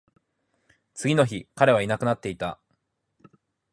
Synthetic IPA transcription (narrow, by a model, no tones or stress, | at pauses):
t͡sɨɡʲino̞çikaɾe̞β̞ainakɯ̟nat̪ːe̞it̪a